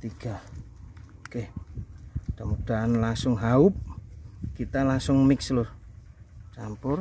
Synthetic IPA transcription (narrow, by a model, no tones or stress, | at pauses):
t̪iɡ̥a | keh | d̥̪amud̥a̤anlaŋsʊŋɦaʊp̚kit̪alaŋsʊŋmɪkslʊr | t͡ʃampʊr